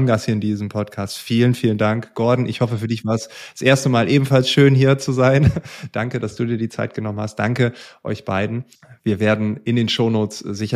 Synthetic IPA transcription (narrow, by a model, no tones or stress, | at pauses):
nɡashiːɐɪndiːzəmpʰɔtkʰaːstfiːlənfiːləndaŋkɡ̥ɔɐdn̩ʔɪçhɔfəfyːɐdɪçv̥aːɐəsd̥asʔeːɐstəmaːlʔeːbm̩falsʃøːnɦiːɐt͡suzaɪnd̥aŋkədasd̥uːdiːɐdiːt͡sa̰ɪt̚ɡ̥ənɔmənhast̚d̥aŋkəʔɔ̰ʏçb̥aɪdn̩ | viːɐveːɐdn̩ʔɪndeːnʃoʊnoːt͡szɪçɐ